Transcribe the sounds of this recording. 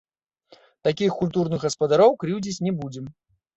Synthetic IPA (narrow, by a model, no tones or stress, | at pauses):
t̪akʲixkulʲt̪urnɨɣɣɐspɐd̪aɾɔwkɾiwd͡zʲit͡sʲnʲɛbud͡zʲɛm